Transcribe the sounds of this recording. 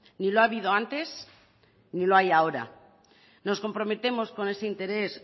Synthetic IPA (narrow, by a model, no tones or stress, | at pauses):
niloaβiðo̞ant̪e̞s | niloajao̞ɾa̰ | no̞sko̞mpɾo̞me̞t̪e̞mo̞sko̞ne̞se̞int̪e̞ɾe̞s